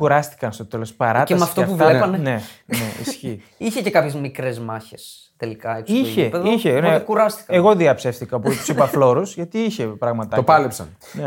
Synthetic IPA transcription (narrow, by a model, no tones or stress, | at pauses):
kuɾɐst̪i̥kɐnst̪o̞t̪elospɐɾɐt̪eɐmɐft̪oɐpfuvlepɐnene̞neḭsçi | içecekɐpçezmikɾezmɐçes | t̪elikɐekiçeipeðiçenekuɾɐst̪i̥kɐeɣo̞ðiɐpse̞fθikɐopit̪u̥sipɐflo̞ɾusʝɐt̪iiçe̞pɾɐɣmɐt̪ɐopɐlepsɐ̰n | ne